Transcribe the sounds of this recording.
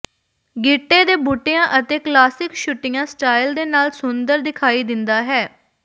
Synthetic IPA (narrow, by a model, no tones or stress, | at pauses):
ɡɪʈːeːd̪eːbuːʈːejãːʔət̪eːklaːsɪkʃʊʈːɪjãːsʈaːɪld̪eːnaːlsʊnd̪əɾd̪ɪkʰaːiːd̪ɪnd̪aːɦɛː